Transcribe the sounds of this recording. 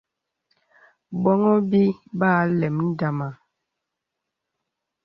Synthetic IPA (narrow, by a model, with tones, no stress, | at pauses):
bɔ˦ŋɔ˦bi˦baː˦lɛ˨mn̩˦da˨ma˨